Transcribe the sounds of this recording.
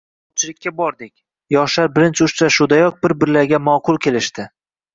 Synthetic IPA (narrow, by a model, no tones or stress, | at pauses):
ɒt͡ʃʰɪlɪkʲːabɒɾd̪ɪkʲ | jɒʃlaɾbɪɾɪnt͡ʃʰʊʃt͡ʃaʃʊd̪ajɒk̚bɪɾbɪɾlaɾɡʲamɒqʰʊlˠkʲʰe̞lɪʃt̪ɪ